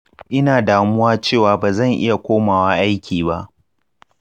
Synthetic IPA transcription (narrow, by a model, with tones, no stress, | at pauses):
ʔɪ˦naː˨daː˨mʊ˦waː˦t͡ʃeː˦˨waː˨baː˨zɐ˦˨ŋʔɪ̰˦ja˨kʷoː˦maː˨waː˦ʔa˦jkʲʰiː˨βa˦ʔ